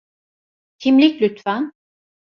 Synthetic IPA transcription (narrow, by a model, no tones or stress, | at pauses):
t̪ʰimlʲiclʲyt̪fæn